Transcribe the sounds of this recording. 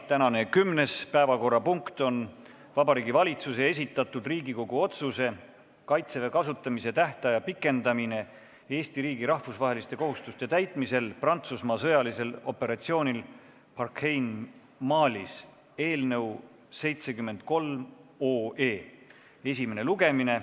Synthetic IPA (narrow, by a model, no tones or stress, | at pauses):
t̪ænɑne̞kymne̞spæevɑko̞rːɑpuŋkt̪o̞n | vɑbɑɾiːɡivɑlʲit̪suse̞e̞s̬ʲit̪ːˑɑt̪ːˑud̪riːɡiko̞ɡuo̞t̪suse̞ | kɑjt̪sevekɑsut̪ˑːɑmise̞t̪æht̪ɑjɑpikːˑe̞nd̪ɑmine̞ | e̞ːst̪iɾiːɡiɾɑhfusvɑɦe̞list̪e̞ko̞ɦust̪ust̪e̞t̪æjt̪ˑmise̞lprɑnt̪susmɑsɤ̞jɑlise̞lo̞̰pːˑe̞ɾɑt̪sio̞ːnʲil | pɑrkʰhejn | mɑːlʲis | e̞ːlnɤ̞w | se̞jt̪se̞kymːe̞nd̪̥̚ko̞lmo̞ːe̞ː | e̞sʲime̞ne̞luɡe̞mine̞